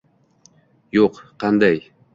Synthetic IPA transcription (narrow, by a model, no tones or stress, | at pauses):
joqqɑnd̪aj